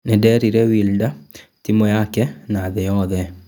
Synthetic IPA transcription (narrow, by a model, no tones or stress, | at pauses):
nedɛɾiɾɛwildatimojakɛnaðejɔðɛ